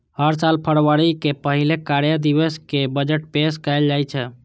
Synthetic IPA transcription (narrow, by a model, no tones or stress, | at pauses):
həɾsalpʰəɽʋəɽikepəɦilekaɾjəd̪iʋəskebəd͡ʒəʈpeskəjld͡ʒajt͡ʃʰɛ